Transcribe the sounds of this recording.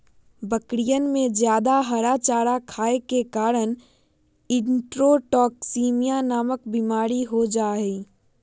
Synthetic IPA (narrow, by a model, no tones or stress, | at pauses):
bəkɾijənmẽd͡ʒjaːd̪aɦəɾat͡ʃaːɾakʰaːekekaːɾən | ɪ̃ɳʈɾoʈɔːksiːmijanaːməkbimaːɾiɦod͡ʒaːɦɛ